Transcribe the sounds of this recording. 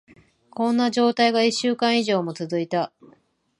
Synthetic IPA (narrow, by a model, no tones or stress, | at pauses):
kõ̞nːaʑo̞ːt̪aiɡaiɕːɨːkãɰ̃iʑo̞ːmo̞t͡sɨzɨit̪a